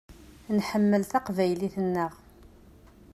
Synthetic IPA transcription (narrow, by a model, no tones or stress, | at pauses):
nħəmːəlθaqvæjliθənːəʁ